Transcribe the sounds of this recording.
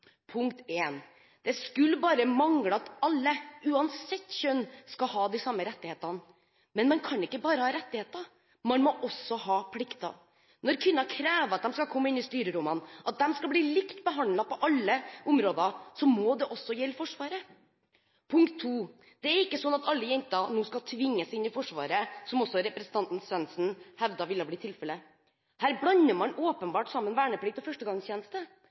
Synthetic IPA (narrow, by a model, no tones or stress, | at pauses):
pʰʊŋk̚t̪eːn | d̪̥ɛskʉlbɑːɾəmɑŋɽəɑt̪ɑlːəʉːɑnsɛt̪ːɕœnskɑhɑːd̪ɪsɑmːəɾɛt̪ːɪheːt̪ɑn | mɛnmɛnkʰɑnɪkːəbɑːɾəhɑːɾɛt̪ːɪheːt̪ɑ | mɑnmɔʔɔsːɔhɑːpʰlɪkt̪ɑ̰ | nɔɾkʰʋɪnːɑkʰɾæːʋəɾɑt̪̚d̪ɛmskɑkʰɔmːəɪnɪst̪yːɾəd̪ʊmɑnʔɑt̪̚d̪ɛmskɑbliːlɪkt̪bəɦɑnlɑpɔʔɑlːəʔʊmɾoːd̪ɑsɔmɔd̪ɛʔɔsːɔjɛlːfɔʂʋɑːɾə | pʰʊŋkt̪ʰːuː | d̪̥ɛæɾɪkːəsɔnːɑt̪ɑlːəjɛnt̪ɑnuːskɑlt̪ʰʋɪŋːəsɪnːɪfɔʂʋɑ̰ːɾəsɔmɔsːɔɾɛpɾɛsən̩t̪ɑnt̪n̩sʋɛnsn̩hɛʋd̪ɑʋɪlːɑbliːt̪ʰɪlfɛlə | hæːɾblɑnːəmɑnoːpənbɑːʈsɑmːənʋæːɳəpʰlɪk̚t̪ɔfœʂʈəɡɑŋst̪ʰeːnəst̪ə